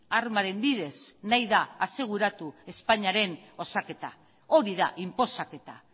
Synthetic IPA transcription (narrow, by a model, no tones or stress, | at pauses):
armaɾe̞mbiðe̞snajðaːse̞ɣ̞uɾat̪ue̞spaɲaɾe̞no̞sake̞t̪a | o̞ɾiða̰ʔimpo̞sake̞t̪a̰